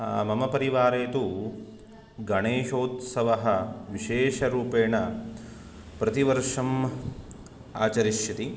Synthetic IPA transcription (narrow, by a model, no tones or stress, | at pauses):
mɐmɐpɐɾiʋaːɾeːt̪u | ɡɐɳeːʃoːt̪sɐʋɐɦɐʋiʃeːʂɐɾuːpeːɳɐ | pɾɐt̪iʋɐɾʂɐm | a̰ːt͡ʃɐɾiʃjɐt̪i